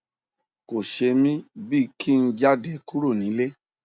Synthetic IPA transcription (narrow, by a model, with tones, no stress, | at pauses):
ko˨ʃe˧mĩ˦bi˦˨kʰi˦˨˧n̩˦d͡ʒa˦de˧˨ku˦ɾo˦˨nĩ˨˦le˦